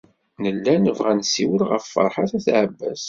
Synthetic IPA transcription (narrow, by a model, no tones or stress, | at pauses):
nəlːænəvʁænsiwəlʁə̰fːə̰ɾˤħaθæθʕəbːæ̰s